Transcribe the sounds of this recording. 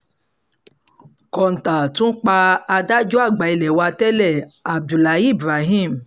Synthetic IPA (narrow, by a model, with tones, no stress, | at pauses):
kɔ˨n̩˨ta˨tũ˦k͡pa˧a˧da˦d͡ʒɔ˦a˦˨ɡ͡ba˨i˧lɛ˨wa˧tɛ˦lɛ˦˨a˨b̚du˨la˨˦i˦˨bɾa˨˦ɦĩ˦˨m̩˨